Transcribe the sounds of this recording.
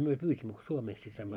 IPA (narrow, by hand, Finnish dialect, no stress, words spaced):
myø pyːsimːø ko suomeːski sɑimːo